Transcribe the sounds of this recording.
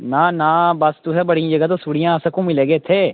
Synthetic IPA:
nãːnaːbəst̪ʊsɛːbəɽijĩd͡ʒəɡət̪oːsuːɽijãːsəkũːmɪleːɡeːt̪ʰeː

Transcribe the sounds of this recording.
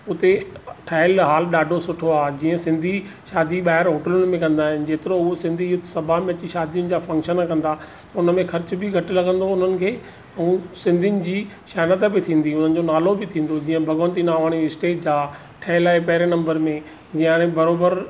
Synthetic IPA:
ʊt̪eʈʰaːɪlɦaːlɗaːɖʱosʊʈʰoaːɦd͡ʑiːə̃sɪ̃nd̪ʱi | ʃaːd̪ʱiɓaːɦɪɾɦoːʈəlʊnɪ̆mẽkɐ̃nd̪aːɦɪnɪ̆d͡ʑeːt̪ɪɾoʊɦosɪ̃nd̪ʱijʊt̪ʰsɐbʱamẽɐt͡ɕiʃaːd̪ʱijʊnɪ̆d͡ʑaːfɐ̃ŋkʃənakɐ̃nd̪aː | t̪ɐʊnəmẽxɐɾt͡ɕʊbɪɡʱɐʈlɐɡʱə̃nd̪oʊn̤ənɪ̆kʰeː | ũːsɪ̃nd̪ʱijnɪ̆d͡ʑiː | ʃaːnət̪bɪt̪ʰĩːn̆d̪iʊn̤ənɪ̆d͡ʑonaːlobɪt̪ʰĩːn̆d̪od͡ʑiːə̃bʱɐɡõːnt̪inaːʋaːɽ̃iɪsʈeːʈd͡ʑaː | ʈʰaːɪlaːɪpɐɦɪɾenɐ̃mbəɾmẽ | d͡ʑĩːaːɽ̃ẽbɐɾoːbəɾ

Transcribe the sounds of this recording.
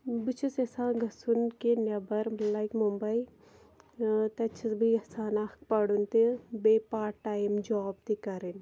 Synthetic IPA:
bit͡ʃʰusesãːɡʱɐsunkenɐbɐɾmlaːjkmumbɐi | t̪ɐt͡ʃʰɐsbiɐsaːnaːk̚pɐɽunt̪ebeːpaːʈaːimd͡ʒɔːb̚t̪ikɐɾin

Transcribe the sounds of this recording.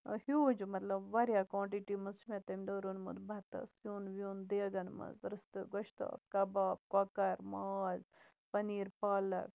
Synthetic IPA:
hjuːd͡ʒmɐt̪lɐbʋɐɾjakwãːɳʈiʈimɐzt͡ʃmẽt̪ɐmʲd̪oːɾunmṵd̪bʱɐt̪ɐ̰sjuːnʋjuːnd̪eːɡɐnmɐ̰zɾɨst̪ɨɡɐʃt̪a̰ːb̚kɐbaːb̚kakɐɾmaːz | pɐniːɾpaːlɐ̰k

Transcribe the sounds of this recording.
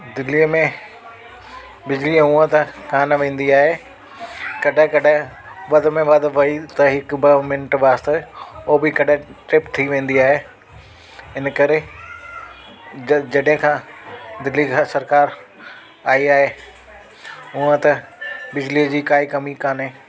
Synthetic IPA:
d̪ɪliəmẽ | bɪd͡ʑliʊ̃ə̃t̪ɐkaːnʋẽːn̆d̪iaːɦe | kɐɗɪ̃kɐɗɪ̃ | ʋɐd̪mẽʋɐd̪ʋɐit̪ɐɦɪkbɐmɪnʈʋaːst̪eobɪkɐɗɪ̃ʈɾɪpt̪ʰiʋẽːn̆d̪iaːɦe | ɪnkɐɾe | d͡ʑɐɗɦɪ̃kʰãːd̪ɪlːiɡsɐɾkaːɾ | aːiaːɦeː | ʊə̃t̪ɐbɪd͡ʑliːəd͡ʑiːkaːikɐmikaːnẽː

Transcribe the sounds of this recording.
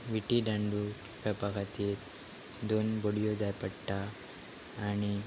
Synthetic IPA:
ʋiʈiɖãɳɖu | pʰepakʰat̪iːɾ | d̪onboɽijod͡zajpəɽʈaː | ñi

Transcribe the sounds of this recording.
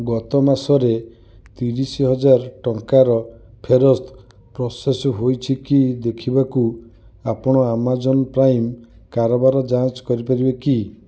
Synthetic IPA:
ɡɔt̪ɔmasɔɾe | t̪iɾisiɦɔd͡ʒaɾʈɔŋkaɾɔ | pʰeɾɔst̪ʰ | pɾɔsesɔɦojt͡ʃʰikid̪ekʰibaku | apɔɽ̃ɔamad͡ʒɔnɔpɾajm | kaɾɔbaɾɔd͡ʒat͡ʃkɔɾipaɾibeki

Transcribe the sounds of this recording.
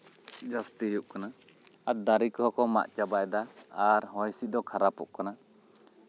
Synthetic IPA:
d͡ʒast̪iɦuʔkana | at̪̚d̪aɾikɔɦɔkɔma̰ʔt͡ʃabajd̪aaɾɦɔjsit̚d̪ɔkʰaɾapṵʔkana

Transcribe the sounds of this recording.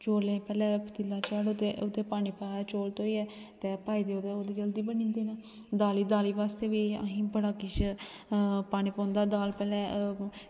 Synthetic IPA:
t͡ʃoːlẽːpɛːlɛ̃ːpʰət̪ilaːt͡ʃaːɽʊt̪eʊt̪eːpaːniːpat͡ʃoːlt̪oːiːɛː | t̪eːpaːiːd̪eːod̪eːoːd̪iːd͡ʒəld̪iːbənĩːnd̪iːnaː | d̪aːliːd̪aːliːʋaːst̪eːʋiːɦĩːbəɽaːkɪt͡ʃ | paːniːpɔ̃ːnd̪aːd̪aːlpɛːlɛ̃ː

